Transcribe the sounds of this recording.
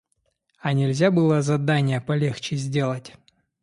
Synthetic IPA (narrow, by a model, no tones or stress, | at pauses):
ɐnʲɪlʲzʲabɨlˠəzɐd̪anʲɪjəpɐlʲext͡ɕɪzʲdʲe̞lˠətʲ